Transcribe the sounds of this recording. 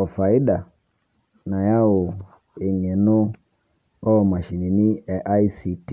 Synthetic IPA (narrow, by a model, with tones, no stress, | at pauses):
ɔ˨fa˨i˦ɗa˨ | na˨ja˦o˨ | i˨ŋɛ˨nu˦ | ɔ˦˨ma˨ʃi˨ni˨ni˦ɛ˨ʔa˦i˦si˨t